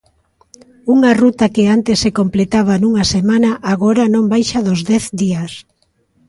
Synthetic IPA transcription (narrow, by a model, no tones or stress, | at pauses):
uŋarut̪akeant̪esːekomplet̪aβ̞anuŋasemanaʔaɣoɾanõmbajʃaðozðɛθd̪ias